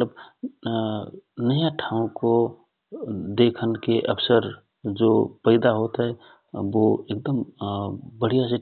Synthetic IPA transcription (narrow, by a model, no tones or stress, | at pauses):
ət̪ləb | nəjãʈʰãːũko | d̪ekʰənkeʔəpʰsəɾ | d͡ʒopəɪd̪aɦot̪ɦɛ | ʋoek̚d̪əm | bəɽ̤ijas̬e